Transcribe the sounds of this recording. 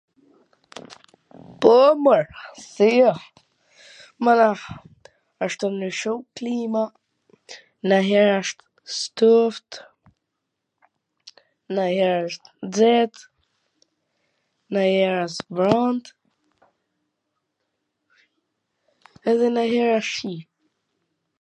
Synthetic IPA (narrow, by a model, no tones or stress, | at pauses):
pɔməɹsiɔ | mana | aʃt̪əmnəʃuklima | naɦɛɾaʃt̪ | st̪uft̪ | nahɛɾaʃt̪d͡zɛt̪ | nahɛɾasbɾand̪ | ɛðɛnaɦɛɾaʃip̚